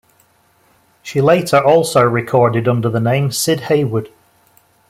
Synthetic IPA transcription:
ʃileɪʔə˞ʔɔlˠsoʊɹɪkʰɔɹdɪdʌ̃ndə˞ðənẽɪ̃msɪd̚heɪwʊd̥

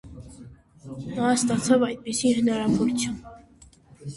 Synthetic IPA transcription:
nɑst̪ɑt͡sʰɑvɑjd̪̚pisihənɑɾɑvɔɾt͡sʰjum

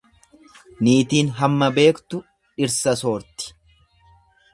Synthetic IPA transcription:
niːt̪iːnɦɐmːɐbe̞ːkt̪ʊ | ɪɾsɐso̞ːɾt̪ɪ̥

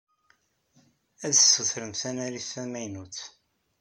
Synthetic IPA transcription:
æðəsːəθɾənθænæɾiθæmæjnuθ

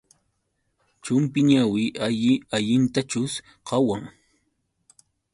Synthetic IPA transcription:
t͡ʃʊmpɪɲawɪʔaʎɪaʎɪnt̪at͡ʃʊs | qɑwaŋ

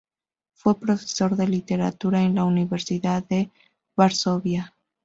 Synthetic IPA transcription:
fwe̞pɾo̞fe̥so̞ɾðe̞lit̪e̞ɾa̰t̪uɾaenlauniβe̞ɾsiðaðe̞ | βaɾso̞βja

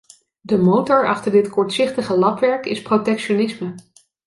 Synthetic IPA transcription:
dəmowtɔɹɑχtəɹdɪtkɔɹtsɪχtəχəlɑpʋɛɹkɪsprotɛkʃonɪsmə

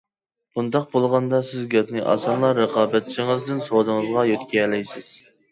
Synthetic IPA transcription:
b̥und̪ɑq̚bolˠʁɑnd̪ɑsɪzɡʲɛpnɨʔɑ̰sɑnlˠɑɾəqʰɑːbɛt̪̚t͡ʃʰɪŋɨzd̪ɪnsod̪ɨŋɨzʁɑjøt̪kʲʰɛlɛjsɪz̥

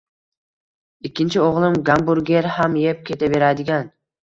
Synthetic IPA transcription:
ikʲʰːɪnt͡ʃʰɪoʁlˠɪmɡambuɾɡʲe̞ɾhamjep̚kʲʰe̞t̪ʰave̞ɾad̪ɪɡʲan

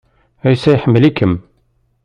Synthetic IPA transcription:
æjsæjħəmːəlikəm

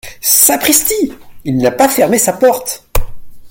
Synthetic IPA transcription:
sakχist̪iilnapafɛʁmesapɔʁt̪

